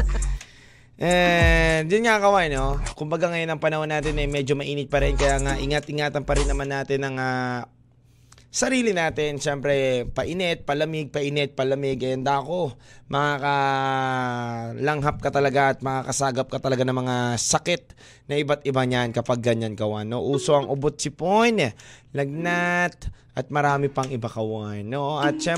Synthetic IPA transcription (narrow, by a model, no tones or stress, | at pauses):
ʔɛ | d͡ʒɪnŋakɐwanokʊmbɐɡaŋɐjo̞nːɐŋpɐnɐhonːaːt̪ɪnɐjmɛd͡ʒomɐʔiːnɪt̪̚pɐɾɛnkɐjaʔɐŋaʔɪŋat̪̚ʔɪŋaːt̪ɐnpɐɾɪnːɐmanːaːt̪ɪnɐŋaː | sɐɾiːlɪnaːt̪ɪnʃɛmpɾɛpɐʔɪnɛt̪̚pɐlɐmɪɡ̚pɐʔɪnɛt̪̚pɐlɐmɪɡɐɐnd̪ako̞mɐŋakɐ | lɐŋɦap̚kɐt̪ɐlɐɡaʔɐt̪̚mɐŋakɐsaːɡɐp̚kɐt̪ɐlɐɡanɐŋmɐŋasɐkɛt̪̚ | nɐʔɪbat̪ɪbaŋɲankɐpaɡ̚ːɐɲankɐwanːoʔuːso̞ʔɐŋʔʊbot̪̚t͡ʃɪponlɐɡ̚nat̪̚ʔɐt̪̚mɐɾaːmɪpɐŋɪbakɐwanːoʔʔɐt̪̚ʃɛ